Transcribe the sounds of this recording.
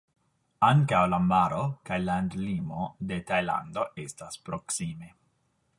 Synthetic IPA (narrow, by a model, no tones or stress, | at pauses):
aŋkawlamaɾokajland̪limo̞d̪e̞t̪ajla̰nd̪o̞ʔestaspɾoksime